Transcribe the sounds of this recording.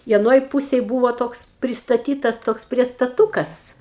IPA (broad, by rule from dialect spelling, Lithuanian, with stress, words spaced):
ɪ ɐˈnoːj ˈpʊsʲeːj ˈbuːʋoː ˈtoːks pʲrʲɪstɐˈtʲiːtɐs ˈtoːks pʲrʲiɛstɐˈtuːkɐs